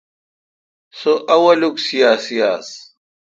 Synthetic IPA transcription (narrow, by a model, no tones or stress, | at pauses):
soʔɐwɐluksijaːsijaːs